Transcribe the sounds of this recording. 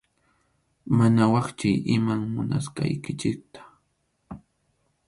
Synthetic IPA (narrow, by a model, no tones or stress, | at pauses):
manawɑχt͡ʃʊjʔɪmaŋmʊna̰sqɑ̰jkɪt͡ʃɪk̚t̪ḁ